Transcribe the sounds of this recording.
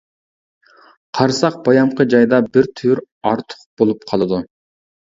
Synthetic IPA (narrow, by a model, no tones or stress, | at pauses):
qʰɑɾsɑq̚b̥ɑjɑmqʰəd͡ʒɑjd̪ɑbiɾt̪ʰyɾ | ɑɾt̪ʰʊ̥q̚b̥olˠup̚qʰɑlˠɨd̪u